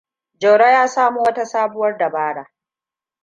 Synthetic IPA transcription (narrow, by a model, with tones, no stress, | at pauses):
d͡ʒɐ˨wɽa˦jaː˦saː˦mu˦wɐ˦ta˦saː˦bʊ˦wɐ˦rda˨baː˦ɽaː˨˦ʔ